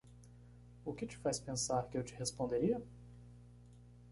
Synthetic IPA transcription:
ʊkɪt͡ʃɪ̥fajspẽsaɾkɪewt͡ʃɪ̥hespõnd̪eɾiɐ

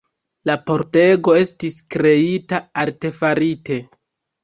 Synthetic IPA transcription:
lapo̞ɾte̞ɡo̞e̞stiskɾe̞itaaɾte̞faɾite̞

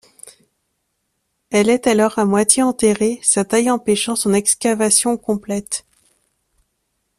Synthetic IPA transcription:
ɛlɛt̪alɔʁamwat̪jeɑ̃t̪eʁesat̪ajɑ̃peʃɑ̃sɔ̃nɛkskavasjɔ̃kɔ̃plɛt̪

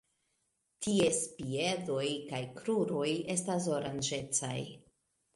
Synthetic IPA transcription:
tʰie̞spie̞do̞jkajkɾuɾo̞je̞stas̬o̞ɾand͡ʒe̞t͡sa̰j

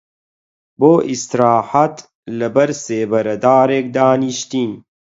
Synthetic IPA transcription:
boːʔist̪ɾɑːħat̪ | lɐbɐɾseːbɐɾɐd̪aːɾeːk̚d̪aːniʃt̪iːn

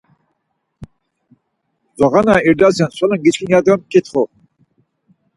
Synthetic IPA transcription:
zɔɣanaiɾd̪asansɔlənɡit͡ʃkʰinjad̪əmkit̪ʰχɔ

